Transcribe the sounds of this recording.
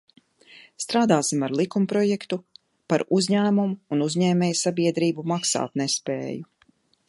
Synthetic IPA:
st̪ɾaːd̪aːsimaɾlˠikumpɾɔjɛkt̪u | paɾuzɲæːmumuːnuzʲɲɛːmʲɛːjsabiɛd̪ɾiːbumaksa̰ːt̪nespḛːju

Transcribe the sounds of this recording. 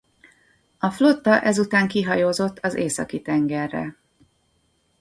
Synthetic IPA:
ɒflo̞t̪ːɒʔɛzut̪aːŋkiɦɒjoːzo̞t̪ʰːɒzeːsɒ̰kit̪ɛŋɡɛrːɛ̰

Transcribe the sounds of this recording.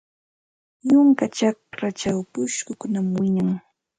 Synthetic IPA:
jʊŋkat͡ʃak̚ɾat͡ʃawpʊʃkʊkʊnamwɪɲaŋ

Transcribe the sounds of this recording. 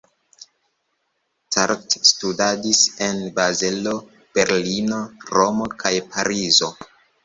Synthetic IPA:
taɾtstudadise̞nbazelo̞ | b̥e̞ɾlino̞ɾo̞mo̞kʰajpʰaɾizo̞

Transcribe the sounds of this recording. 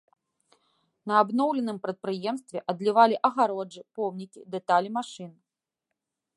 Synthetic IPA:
nɐːbnɔwlʲɛnɨmpɾɐt̪̚pɾɨjɛmst̪vʲɛʔɐd̪lʲivalʲiʔɐɣaɾɔʐɨpɔwnʲikʲid̪ɛt̪alʲimaʂɨn

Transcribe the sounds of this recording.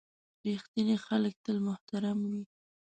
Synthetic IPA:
ɾixt̪ənexalək̚t̪əlmʊht̪aɾamwi

